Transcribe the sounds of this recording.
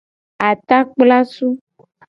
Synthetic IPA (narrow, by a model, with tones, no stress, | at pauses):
a˨t̪a˦k͡pla˦su˦